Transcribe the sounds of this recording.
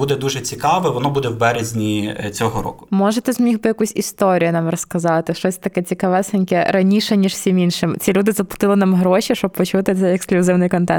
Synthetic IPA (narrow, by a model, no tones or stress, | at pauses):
bud̪ɛd̪uʒɛt͡sʲikɑʋɛʋɔnɔbud̪ɛwbɛɾezʲnʲit͡sʲɔɦɔɾɔ̰kʊ̥mɔʒɛt̪ɛzmʲixbɨjɐkusʲist̪ɔɾʲijʊnɑmrɔskɐzɑt̪ɪʃɔsʲt̪ɐkɛt͡sʲikɐʋɛsɐnʲkʲɛɾɐnʲiʃɛnʲiʃwsʲimʲinʃɪmt͡sʲilʲud̪ɪzɐpˠʊ̥t̪ɪlˠɪnɑmɦɾɔʃʲiʃt͡ʃɔb̚pːɔt͡ʃut̪ɪt̪sɛjɛksklʲʊzɪwnɪjkɔnt̪ɛ̰nt̪